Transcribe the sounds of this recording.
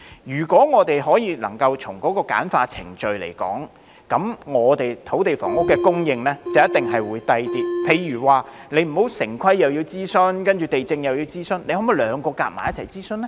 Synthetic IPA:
jyː˨˩kɔː˨˥ŋɔː˨˧t̪e˨jɦɔː˨˥jiː˨˧lɐ̰˨˩ŋkɐ˧wt͡ʃʰʊ˨˩ŋkɔː˨˥kɔː˧ka̰ː˨˥nfaː˧t͡sʰɪ̰˨˩ŋt͡ʃɵ˨ɥlḛ˨˩jkɔ̰ː˨˥ŋ | kɐ˨˧˥mŋɔː˨˧t̪e˨jt̪ʰo˨˥wt̪e˨jfɔ̰ː˨˩ŋʊ˥kːɛː˧kʊ˥ŋjɪ˨ŋlɛː˥t͡sɐ˨wjɐ˥t̪ɪ˨ŋɦɐ˨jwuː˨˧jt̪ɐ˧jt̪iː˨˥p̚pʰe˧jːyː˨˩waː˨ne˨˧jm̩˨˩ho˨˥wsɪ˨˩ŋkʷʰɐ˥jːɐ˨wjiː˧wt͡siː˥sɵ˥nkɐ˥nt͡ʃyː˨˩t̪e˨jt͡sɪ˧ŋjɐ˨wjiː˧wt͡siː˥sɵ˥nle˧hɔ˨˥mu˨˧jlœː˨˧ŋkɔː˧ka̰ː˧t̚ma̰ː˨˦jɐ˥t̚t͡sʰɐ˨˩jt͡siː˥sɵ˥nlɛ˥

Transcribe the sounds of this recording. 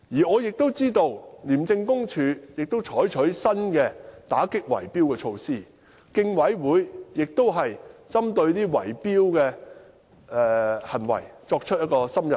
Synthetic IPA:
jiː˨˩ŋɔː˨˧jɪ˨k̚t̪o˥wt͡siː˥t̪o˧wliː˨˩mt͡sɪ˧ŋkʊ˥ŋt͡ʃʰyː˨˧jɪ˨k̚t̪o˥wt͡ʃʰɔː˨˥jt͡ʃʰɵ˨˥ɥsɐ˥nkɛː˧t̪aː˨˥kɪ˥k̚wɐ̰˨˩jpiː˥wkɛː˧t͡ʃʰo˧wsiː˥˩ | kɪ˧ŋwɐ˨˥jwuː˨˧˥jjɪ˨k̚t̪o˥wɦɐ˨jt͡sɐ˥mt̪ɵ˧ɥt̪iː˥wɐ̰˨˩jpiː˥wkɛː˧ | ɛ˨hɐ˨˩nwɐ̰˨˩jt͡sɔː˧k̚t͡ʃʰt̚jɐ˥kɔː˧sɐ˥mjɐ˨˩

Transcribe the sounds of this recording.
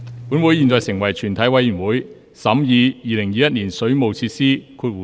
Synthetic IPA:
puː˨˥nwu˨˥jiː˨nt͡sɔː˨˧jsɪ˨˩ŋwɐ˨˩jt͡ʃʰyː˨˩nt̪ʰɐ˨˥jwɐ˧jy˨˩nwuː˨˥j | sɐ˨˥mjiː˨˧jiː˨˧lɪ˨˩ŋjiː˨˧jɐ˥t̚niː˨˩nsɵ˨˥ɥmo˨wt͡sʰiː˧t̚siː˥kʰuː˧t̚wu˨

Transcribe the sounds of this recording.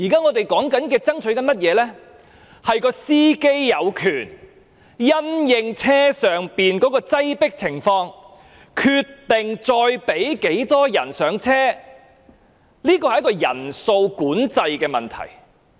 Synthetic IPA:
jiː˨˩kaː˥ŋɔː˨˧t̪e˨jkɔː˨˥ŋkɐ˨˥nkɛː˧t͡sɐ˥ŋt͡ʃʰɵ˨˥ɥkɐ˨˥nmɐ˥t̚jɛː˨˧lɛː˥ | hɐ˨jkɔː˧siː˥ke˥jjɐ˨˧wkʰyː˨˩n | jɐ˥njɪ˨˧ŋt͡sʰɛː˥sœː˨ŋpiː˨nkɔː˨˥kɔː˧t͡sɐ˥jpɪ˥k̚t͡sʰɪ˨˩ŋfɔː˧ŋ | kʰyː˧t̪ːɪ˨ŋt͡sɔː˧jpe˨˥jke˨˥jt̪ɔː˥jɐ˨˩nsœː˨˧˥ŋt͡sʰɛː˥ | liː˥kɔː˧hɐ˨jɐ˥kɔː˧jɐ̰˨˩nso˧wkuː˨˥nt͡sɐ˧jkɛː˧mɐ˨nt̪ʰɐ̰˨˩j

